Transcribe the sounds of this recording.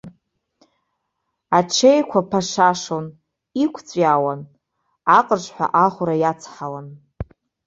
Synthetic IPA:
aʈ͡ʂʰejkʷʰapʰaʂaʂon | ikʷʰt͡sʷʼawan | aqʼərʂʷʼħʷa̰ʔaχʷɾajat͡sʰħalan

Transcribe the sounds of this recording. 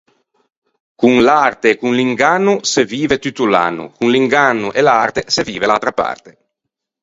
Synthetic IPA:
kuŋlart̪eːkuŋliŋɡanːuseviːvet̪ut̪ːula̰nːṵkuŋliŋɡanːuʔelart̪eseviːvelalt̪ɾapa̰rt̪e̥

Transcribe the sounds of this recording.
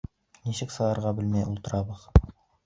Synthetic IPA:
niɕɘksɤ̆lˠɑɾʁɑbɘlmæjʔṵlˠt̪ɤ̆ɾɑbɤð

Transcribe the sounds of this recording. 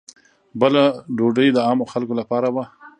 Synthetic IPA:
bəlaɖoɖəjd̪əɑmoxalkolapɑɾaba

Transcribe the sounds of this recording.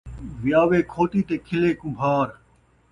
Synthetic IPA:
ʋɪjaːʋeːkʰoːʈ̪iːt̪eːkʰɪleːkʊ̃bʱaːɾ

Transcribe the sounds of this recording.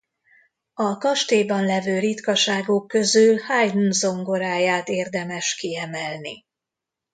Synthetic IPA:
ɒkɒʃt̪eːbɒnlɛvøːɾit̪kɒʃaːɡokːø̞zylhajd̪nzo̞ŋɡoɾaːjaːt̪eːrd̪ɛmɛʃkiɛmɛlni

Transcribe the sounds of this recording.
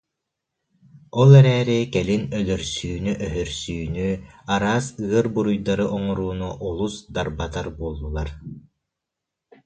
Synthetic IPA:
ɔlˠɛɾɛːɾɛkɛlinœlœɾsyːnyʔœɦœɾsyːnyaɾaːsɯɐɾbuɾujd̪aɾɯʔɔŋɔɾuːnuʔɔlˠusd̪aɾbat̪aɾbuɔlˠːulˠaɾ

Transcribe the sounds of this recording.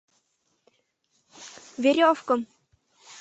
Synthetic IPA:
vɪɾjaɔfkʏm

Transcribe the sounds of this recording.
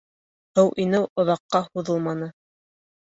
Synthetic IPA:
hɤwʔinɘwŏðɑqːɑhuðɤlˠmɑnɤ

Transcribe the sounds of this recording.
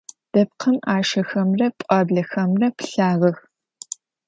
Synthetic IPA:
d̥ɐp̚qʰɐmaːʃɐxɐmrɐpʼɑbɮɐxɐmrɐpɬaːʁɐx

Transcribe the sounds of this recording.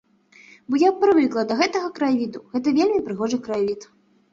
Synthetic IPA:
bɔjapːɾɨvɨklˠɐd̪ɐɣɛt̪ɐɣɐkɾavʲid̪uɣɛt̪̬ɐvʲelʲmʲipɾɨɣɔʐɨkɾavʲit̪

